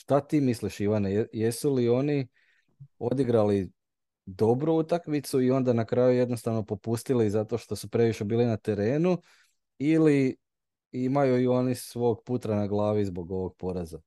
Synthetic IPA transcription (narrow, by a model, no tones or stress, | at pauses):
ʃt̪at̪iːmisliʃiʋaneje̞sulio̞ni | o̞d̪iɡɾali | d̪o̞bɾuut̪akmit̪suio̞nd̪anakɾajuje̞d̪no̞st̪aʋno̞po̞pust̪ilizat̪o̞ʃt̪o̞supɾe̞ʋiʃe̞biːlinat̪e̞ɾe̞ːnu | ili | imajuio̞nisʋo̞ːɡput̪ɾanaɡlˠaːʋizbo̞ɡo̞ʋo̞ɡ̚po̞ɾeza